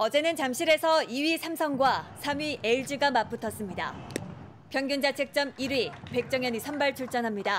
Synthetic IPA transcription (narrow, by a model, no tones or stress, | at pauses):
ʌd͡ʑe̞nɯnt͡ɕamɕʰiɾe̞sʰʌiɥisʰamsʰʌŋɡwasʰamɥiʔe̞iɭd͡ʑiɡamap͈utʰʌs͈ɯmɲida̰ | pjʌŋɡjund͡ʑat͡ɕʰe̞k̚t͡ɕ͈ʌmiɾɥipe̞k̚t͡ɕ͈ʌŋjʌɲisʰʌmbaɭt͡ɕʰuɭt͡ɕ͈ʌnɦamɲida